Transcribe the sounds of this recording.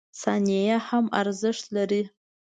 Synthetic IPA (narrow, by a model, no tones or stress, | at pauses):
sanʲejaħama̰rzɨʂlari